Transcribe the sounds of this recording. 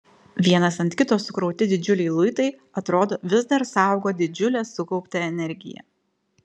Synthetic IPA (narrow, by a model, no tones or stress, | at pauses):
ʋʲiɛnɐsɐnt̪ʲkʲɪt̪oːsʊkɾɒʊt̪ʲɪd̪ʲɪd͡ʒʲʊlʲɛɪlˠʊɪt̪ɐɪ | ɐt̪ɾoːd̪oːʋʲɪzd̪ɐɾsɑˑʊɡoːd̪ʲɪd͡ʒʲʊlʲɛːsʊkɔʊpʲt̪ʲɛɛnʲɛɾʲɡʲɪ̰jɛ̰